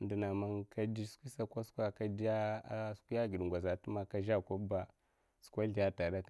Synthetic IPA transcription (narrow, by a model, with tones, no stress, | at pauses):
ndi˨na˨ma˦ŋkʰa˦di˦skʷi˦sa˦kʷa˦skʷa˦ka˦da˦skʷu˦ja˦ɡi˨dŋɡʷa˨za˨tu˦ma˦ka˦ʒa˦˨kʷa˦ba˨ | su̥˨kʷa˦ɮi˨ja˦ta˨ɗa˦k